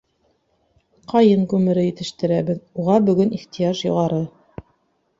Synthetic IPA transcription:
qɑjɤŋkʉmɘ̆ɾɘjɘ̆t̪ɘ̆ʃt̪ɘ̆ɾæβɘðuʁɑbɵ̆ɡɵniχt̪ijɑʃjŏ̰ʁɑɾɤ

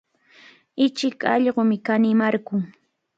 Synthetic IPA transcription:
ɪt͡ʃɪkɑʎɢomɪkanɪmaɾkʊŋ

